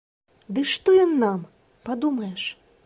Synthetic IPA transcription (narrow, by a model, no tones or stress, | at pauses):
d̪ɨʂt̪ɔjɔnːam | pad̪umɐjɛʂ